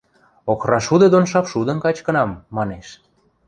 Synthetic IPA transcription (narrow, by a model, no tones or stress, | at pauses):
okrɑʃud̪ɤ̆d̪onʃ̬ɑpʃud̪ə̆nkɑt͡ɕkə̆nɑmːɑneʃ